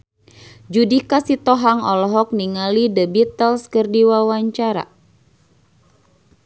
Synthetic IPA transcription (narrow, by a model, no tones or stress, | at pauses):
d͡ʒudikasit̪ɔɦaŋɔlɔɦɔk̚niŋalidəbit̪əlskərdiwawaɲt͡ʃaɾa̰